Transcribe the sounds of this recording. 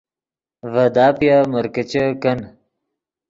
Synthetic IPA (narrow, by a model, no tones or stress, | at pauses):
vɐd̪aːpijamɐɾkət͡ɕəkɐn